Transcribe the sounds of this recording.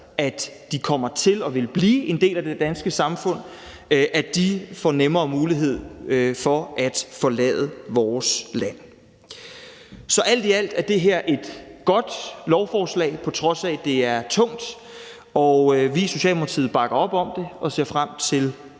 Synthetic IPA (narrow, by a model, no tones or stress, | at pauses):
æd̥d̥ikʰɒ̽m̰ɐt͡sʰe̝lɒ̽ʋe̝lb̥liːʔe̝nd̥e̝̰ːlæd̥ed̥ænsɡ̥əsɑ̈mfɔ̽n̰ | ʔæd̥ifɒ̰nemɐːmuːliɦe̝ð̞̰ˠfɒ̽ʔæd̥fɒ̽lɛ̰ːðˠəʋɒːslæn̰ | sɒ̽ʔæl̰d̥iæl̰d̥æɐd̥e̝ɦeɐ̰ʔe̝d̥ɡ̥ɒ̽d̥lɒʊfɒːslɛ̰ːɪpʰɒ̽t͡sʰʁɒ̽sæd̥e̝æɐt͡sʰɔ̽ŋ̰d̥ | ɒʋiso̝ɕɛ̰ːlmo̥ɑt͡sʰiːð̩ˠb̥ɑ̈ɡ̥ɐɒ̽b̥ɒ̽md̥e̝ʔɒ̽se̝ɐfʁam̰t͡sʰe̝l